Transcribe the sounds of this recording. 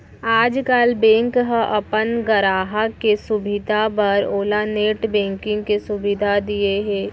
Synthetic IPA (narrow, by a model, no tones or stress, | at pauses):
aːd͡ʒkalbɛ̃ːŋkɦəʔɐpənɡəɾaːɦakesʊbɪd̪ʱapɐɾoːlaneːʈbɛ̃ːŋkɪ̃ŋɡkesʊbɪd̪ʱad̪ieɦɛː